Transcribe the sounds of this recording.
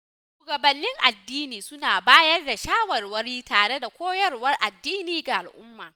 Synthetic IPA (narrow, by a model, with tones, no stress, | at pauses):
ʃuː˨ɡɐ˨bɐ˨nːɪ˦ŋʔa˨dːiː˦niː˨sʊ˦naː˨baː˦jɐ˦rda˨ʃaː˦wɐ˨rwɐ˦ɾiː˦taː˨ɽe˦da˨kʷoː˦jɐ˦rwɐ˦rʔa˨dːiː˦niː˨ɡa˨ʔa˨lʔʊ˦mːaː˨